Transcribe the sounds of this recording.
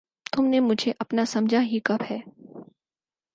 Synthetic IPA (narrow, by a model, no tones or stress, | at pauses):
t̪ʊmnemʊd͡ʒʱeʔɐpnasɐmd͡ʒʱaɦikɐbɦɛː